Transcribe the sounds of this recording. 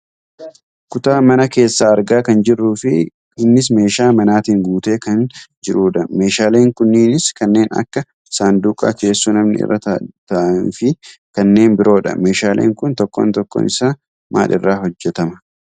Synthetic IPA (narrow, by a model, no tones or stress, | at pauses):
kʊt̪aːmɐnɐke̞ːsːaːɐɾɡaːkɐnd͡ʒɪrːuːfɪ | ɪnːɪs̬me̞ːʃaːmɐnaːt̪iːŋɡuːt̪e̞ːkɐnd͡ʒɪɾuːᶑɐme̞ːʃaːle̞ːŋkʊnːɪːnɪskɐnːe̞ːnɐ̰kːɐ | saːnd̪uːkʼa̰ke̞ːsːuːnɐmnɪ̰ɪ̰rːɐt̪ɐt̪ɐʔɐnfɪkɐnːe̞ːnbɪɾo̞ːᶑɐ̰me̞ːʃaːlʔḛːŋkʊnt̪ɔkːo̰ːnt̪ɔkːo̰nɪsaː | ma̰ːᶑɪrːaːɦɔd͡ʒːɛt̪ɐmɐ